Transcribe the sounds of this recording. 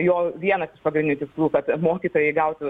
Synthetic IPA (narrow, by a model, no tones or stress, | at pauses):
joːʋʲiɛnɐsɪʃpɐɡɾʲɪnʲnuːt̪ʲɪkslˠuːkɐt̪moːkʲiːt̪oːjɛɪɡɐʊt̪ʲ